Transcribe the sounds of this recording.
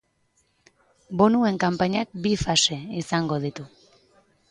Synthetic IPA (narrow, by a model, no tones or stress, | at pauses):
bo̞nue̞ŋkampaɲak̚bifase̞isaŋɡo̞ð̞it̪u